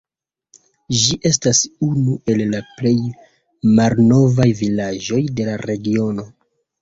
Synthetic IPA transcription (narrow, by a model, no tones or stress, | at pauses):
ʒiʔe̞stasunuʔe̞lːaple̞j | malno̞vajvilad͡ʒo̞jde̞laɾe̞ɡio̞no̞